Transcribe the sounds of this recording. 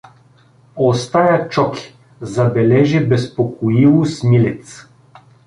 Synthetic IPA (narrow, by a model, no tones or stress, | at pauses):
ost̪ajat͡ʃɔkʲi̥ | zɐbɛlɛʒɛbɛspokoivosmilɛt̪s